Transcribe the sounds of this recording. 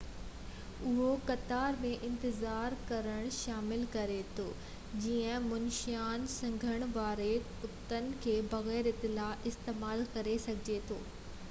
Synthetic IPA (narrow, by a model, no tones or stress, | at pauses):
ʊɦokɐt̪aːɾmẽʔɪ̃nt̪ɪzaːɾkɐɾəɽ̃ʃaːmɪlkɐɾet̪ʰoː | d͡ʑiːə̃mʊnʃjaːnsɐ̃ŋɡʱəɽ̃ʋaːɾe | ʊt̪ːənɪ̆kʰeːbɐɣɛːɾɪt̪ːɪlaːʔɪst̪eːmaːlkɐɾesɐɡʱɪd͡ʑet̪ʰoː